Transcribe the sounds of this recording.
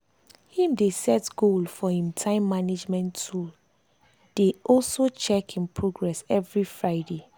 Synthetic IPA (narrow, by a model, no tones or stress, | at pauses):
hĩmdesɛtɡ̥olfɔhĩmtʰãɪ̃mːaned͡ʒmɛ̃ntʰul | d̥eʔɔlsot͡ʃɛkhĩmpʰɹoɡɹɛsɛvɹifɹaɪde